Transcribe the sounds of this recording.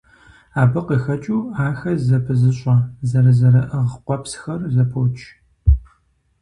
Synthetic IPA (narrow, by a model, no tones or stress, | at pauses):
aːbɐqixɐt͡ʃʼuːaːxɐzɐpʰɨzɨɕʼɐzɐɾɐzɐɾɐʔɨʁqʷɔpsxɐrzɐpʰoːt͡ʃʼ